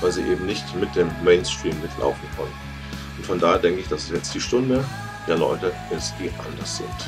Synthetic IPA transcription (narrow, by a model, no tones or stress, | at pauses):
vaɪlziːʔeːbm̩nɪçtmɪt̚d̥eːmːeɪnstʁ̥iːmːɪtʰlʔa̰ʊfn̩kʰœnə | ʊntfɔndaːheːɐdɛŋkəɪçd̥asɛsjɛt͡std̥iːʃtʊndə | d̥eːɐlɔ̰ʏtəʔɪstd̥iːʔa̰ndɐsz̥ɪ̰nt